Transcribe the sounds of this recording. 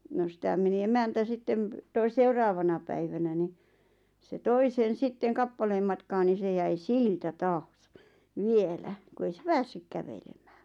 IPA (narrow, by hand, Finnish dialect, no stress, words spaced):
no sĭtæ meni emæntæ sitːem̆ toi seurɑːʋɑnɑ pæiʋænæ ni se toi sen̞ sitːeŋ kɑpːɑleːm mɑtkɑː ni se jæi siltæ tɑːs ʋielæ ku ei se pæːsːyk kæʋelemæ̥ː